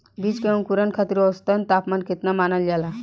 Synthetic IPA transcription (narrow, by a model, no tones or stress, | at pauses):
bit͡ʃkeunkuɾənkʰat̪iɾɔst̪ənt̪apmanket̪namanəld͡ʒala